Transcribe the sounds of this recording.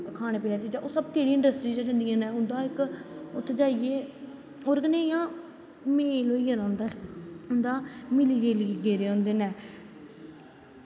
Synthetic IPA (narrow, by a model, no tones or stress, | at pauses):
kʰaːneːpeːleːt͡ʃid͡ʒaʔoːsəbkeːɽiːɪ̃ɳɖəsʈɾiːd͡ʒəd͡ʒə̃nd̪ijãːnɛːɦʊnd̪aːɪkʊt̪ʰːd͡ʒaːieː | oːɾɡəneːjãː | meːloːiːəɾãːnd̪aɦʊnd̪aːmɪliːd͡ʒeːlːɡeːɾeːɦõːnd̪eːnɛ̃ː